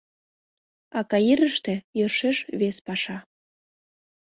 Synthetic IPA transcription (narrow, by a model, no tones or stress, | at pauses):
ɑkɑjiɾəʃt̪ĕjørʃeʃβespɑʃɑ